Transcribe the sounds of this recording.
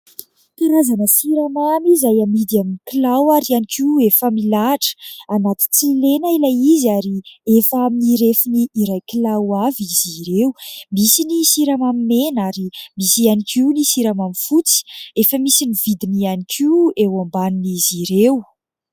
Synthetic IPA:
t̪iɾazanəsiɾamamizajamid̪iaminikilawaɾianikʰiefamilaʈ͡ʂə̥anat̪i̥t͡silenailajizaɾiefaminiɾefiniːɾajkilawaviziɾeumisinisiɾamamimenaɾimisianikiunisiɾamamifut͡si̥efəmisinivid̪inianikʰiewambaniniziɾew

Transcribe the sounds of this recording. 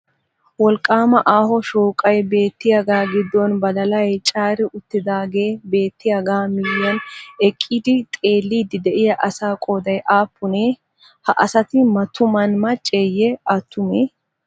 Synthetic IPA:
wɔlkʼaːmɐʔaːhɔʃoːkʼɐjbe̞ːt̪ːɪjɐɡaːɡɪd̪ːɔnbɐd̪ɐlɐjt͡ʃʼaːɾɪʔʊt̪ːɪd̪aːɡe̞ːbe̞ːt̪ːɪjɐɡaːmɪjːɐnɛkʼːid̪ɪt̪ʼe̞ːlːiːd̪ɪd̪ɛʔɪjɐʔɐsaːkʼoːd̪ɐjʔaːpːʊne | hɐʔɐsɐt̪ɪmɐt̪ʊmɐnmɐt͡ʃʼːeːjɛɐt̪ːʊmeː

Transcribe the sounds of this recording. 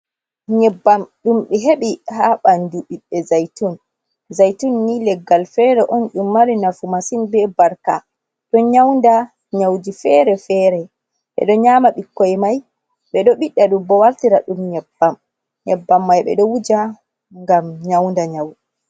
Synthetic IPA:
ɲɛbːamɗumɓɛɦeɓihaɓanduɓiɗːɛzajtun | zajtunːilɛɡːalfɛɾɛʔɔnɗumːaɾinafumasinbɛbaɾka̰ | ɗɔɲawnda | ɲawdifɛɾɛfɛːɾɛ | ɓɛ̰ɗɔɲaːmaɓikːɔjmaj | ɓɛɗɔɓiɗːaɗumbɔwaltiɾaɗumɲɛbːam | ɲɛbːamːajɓɛ̰ɗɔwud͡ʒa | ŋɡamɲawndaɲawdi

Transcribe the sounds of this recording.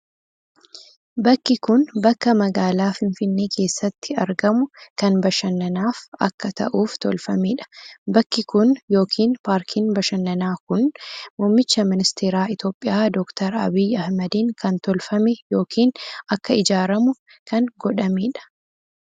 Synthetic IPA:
bɐkːɪkʊnbɐkːɐmɐɡaːlaːfɪnfɪnːe̞ːkʰe̞ːsːɐt̪ːɪɐɾɡɐmʊkɐnbɐʃɐnːɐnaːfɐkːɐt̪ɐ̰ʔuːft̪ɔ̰lfɐmeːᶑɐ̥bɐkːɪkʊnjo̞ːkʰiːnpaːɾkʰinbɐʃɐnːɐnaːkʊnmʊmːɪt͡ʃːɐmɪnɪst̪ʰeːɾaːɪt̪jo̞ːpʼːɪjaːd̪ɔːkt̪ʰɐɾɐ̰biːjɐhmɐd̪iŋkɐnt̪ɔlfɐmɛjo̞ːkʰiːnɐkːɐɪd͡ʒaːɾɐmʊ | kɐnɡɔᶑɐmiːᶑɐ̥

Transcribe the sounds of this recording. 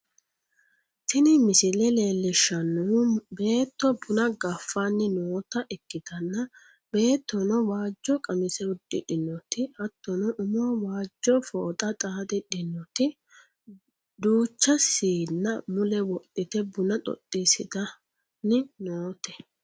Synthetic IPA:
t̪ɪnɪmɪsɪlɛle̞ːlːɪʃːɐnːube̞ːt̪ːɔbʊnɐɡɐfːanːɪnoːt̪ɐʔɛkːɪd̪ɐnːɐ | b̥e̞ːt̪ːɔnɔwaːd͡ʒːɔkʼɐmɪsɛwʊd̪ːɪ̰ᶑɪnːɔt̪ɪɐt̪ːɔnɔʔʊmʊwɐwaːd͡ʒːɔfoːt̪ʼɐt̪ʼaːd̪ɪᶑɪnːɔt̪ɪ | d̪uːt͡ʃːɐsiːnːɐmʊlɛwɔtʼːɪt̪ɛbʊnɐt̪ʼɔ̰t̪ʼːɪsɪd̪ɐ | nːɪnoːt̪ɛ

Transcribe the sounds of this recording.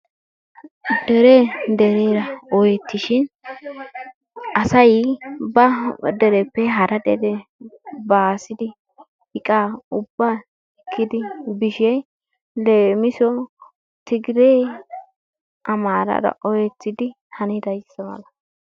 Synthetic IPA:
d̪ɛɾed̪ɛɾeːɾɐɔjɛt̪ːɪʃɪn | ʔɐsɐjbɐd̪ɛɾɛpːɛɦɐɾɐd̪ɛɾɛ | baːsɪd̪ɪ | hɪkʼaːʊbːaː | ɪkʰːɪd̪ɪbɪʃɛ | leːmɪsɔ | t̪ɪɡɪɾeː | ʔɐmaːɾɐ̰ɾɐ̰ʔɔjɛt̪ːɪd̪ɪ | hɐnɪd̪ɐjsːɐmɐ̰lɐ

